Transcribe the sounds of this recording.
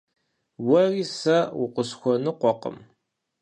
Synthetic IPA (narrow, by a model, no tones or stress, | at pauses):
wɐrisɐwʊqʷʊsxʷɔnɨqʷɔqə̰m